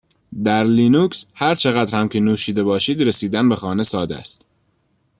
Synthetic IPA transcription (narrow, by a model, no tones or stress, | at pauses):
d̪æɾliːnukshæɾt͡ʃʰe̞ɣæd̪ɾhæmcʰenuːʃiːd̪e̞bɒːʃiːd̪ɾesiːd̪ænbe̞xɒːne̞sɒːd̪æ̰st̪